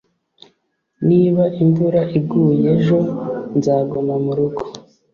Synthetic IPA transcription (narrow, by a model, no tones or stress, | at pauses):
niːβaʔiɱvuɾaʔiɡuje̞ʒo̞nzaːɡomamuɾuɡo̥